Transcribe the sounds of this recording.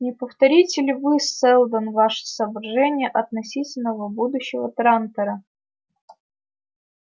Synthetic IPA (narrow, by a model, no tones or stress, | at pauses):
nʲɪpəft̪ɐɾʲitʲɪlʲɪvɨssɛlˠd̪ənvaʂɨ̥səvərʐɛnʲɪjəʔɐt̪nɐsʲitʲɪlʲnəvəbud̪ʊɕːɪvət̪ɾant̪əɾə